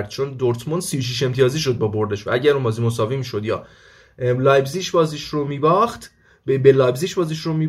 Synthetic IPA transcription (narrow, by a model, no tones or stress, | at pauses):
ɾd̪̥̚t͡ʃʰond̪oɾt̪ʰmond̪sijoʃ̬iʃ̬e̞mt̪ʰijɒːziːʃ̬o̞d̪̚bɒbo̞ɾd̪eʃvææɟæɾunmbɒːziːmosɒːvimiːʃo̞d̪jɒ̰ː | lɑːjbziːʃbɒːziʃɾomiːbɒxt̪ | bebelɒjbziːʃbɒːziʃromiː